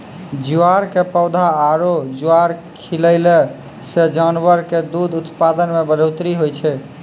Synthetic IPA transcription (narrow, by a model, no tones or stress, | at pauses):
d͡ʒuaɾkepəʊd̪ʱaːɾod͡ʒuaɾkʰiləle | sed͡ʒanʋəɾked̪ud̪ʱut̪pad̪ənmebəɾot̪ɾiɦojt͡ʃʰɛ